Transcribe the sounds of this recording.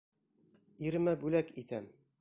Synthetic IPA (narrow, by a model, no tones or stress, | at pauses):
iɾɘ̆mæbʉlækit̪æm